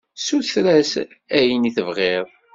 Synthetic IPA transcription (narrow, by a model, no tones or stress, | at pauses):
suθθɾæs | æjəniθəvʁeɾˤ